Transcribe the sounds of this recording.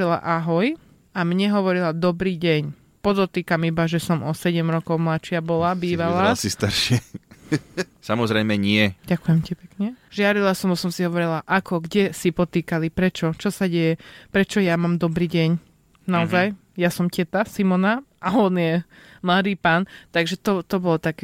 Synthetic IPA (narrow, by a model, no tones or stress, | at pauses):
ɾila̰ʔaɦɔj | amɲɛɦɔʋɔɾilad̪ɔbɾiːɟɛɲ | pɔd̪ɔt̪iːkamibaʒɛsɔmʔɔsɛɟɛmɾɔkɔʊmlat͡ʃɪabɔlabiːʋalasist̪aɾʃɪɛ | samɔzɾɛɪmɛɲɪɛɟakujɛmcipɛkɲɛʒɪaɾilasɔmɔsɔmsiɦɔʋɔɾilaʔakʰɔɡɟɛsipɔt̪iːkalipɾɛt͡ʃɔt͡ʃɔsaɟɛjɛpɾɛt͡ʃɔjamaːmd̪ɔbɾiːɟɛɲ | naɔzaj | jasɔmcɛt̪asimɔnaʔaɔnjɛmlad̪iːpaːnt̪aɡʒɛt̪ɔt̪ɔbɔlɔt̪akː